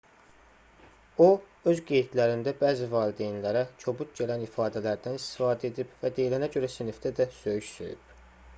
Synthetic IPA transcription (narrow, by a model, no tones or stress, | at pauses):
o | øzɡejit̪læɾind̪æbæːzivɑːlid̪ejnlæɾæcʰo̞but̪ɟelænifɑːd̪ælæɾd̪ænist̪i̥fɑːd̪æe̞d̪ibvæd̪ejlænæɟø̞ɾæsinifd̪æd̪æsø̞jyʃsø̰jy̰b̥